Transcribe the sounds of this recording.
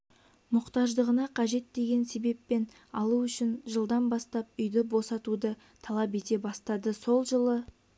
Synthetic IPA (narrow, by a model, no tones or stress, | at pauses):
mʊqt̪ɑʒd̪əʁənɑqʰɑʒe̞t̪d̪e̞ɡʲe̞nse̞be̞pːe̞n | ɑlˠuʏʃɪnʒəlˠd̪ɑnbɑst̪ɑp̚ʏjd̪ɪbo̞sɑt̪ud̪ə | t̪ʰɑlˠɑp̬e̞t̪e̞bɑst̪ɑd̪əso̞lˠʒəlˠə